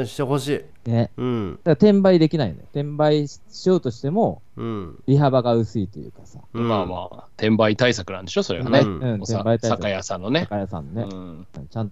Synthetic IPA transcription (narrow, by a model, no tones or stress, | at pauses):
ɕi̥t̪eɦoɕiː | ne̞d̪aɡat̪ẽ̞mbaid̪e̞kʲinaḭn̰t̪ẽ̞mbai | ɕio̞ːt̪o̞ɕi̥t̪e̞mo̞ | ɾʲiɦabaɡaɯ̟sɨit̪ojɯ̟ːkasa̰maːma̰ːt̪ʰẽ̞mbait̪aisakɯ̟nã̰nd̪e̞ɕo̞so̞ɾe̞ɡa̰neɯ̃ɴt̪ebait̪aaakajasãnːo̞neakajasã̰nːone̞ɯ̃ɯ̰̃ːt͡ɕãnt̪